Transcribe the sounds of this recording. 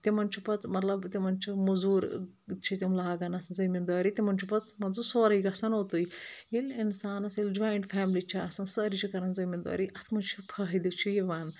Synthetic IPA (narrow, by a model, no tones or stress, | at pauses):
t̪imɐnt͡ʃʰipɐt̪mɐt̪lɐbt̪imɐnt͡ʃʰimuzuːɾ | t͡ʃʰit̪ʲimlaːɡɐnɐt̪ʰnzɐmind̪aːɾit̪ʲimɐnt͡ʃʰipɐt̪mɐnzusoːɾiɡɐsanot̪ɨjilinsaːnɐsild͡ʒaːjɳʈfɛːmlit͡ʃʰiɐsɐnsɨːɾit͡ʃʰikɐɾɐnzɐmind̪a̰ːɾiʔɐt̪ʰmɐnt͡ʃʰipʰɐɦd̪it͡ʃʰijiʋaːn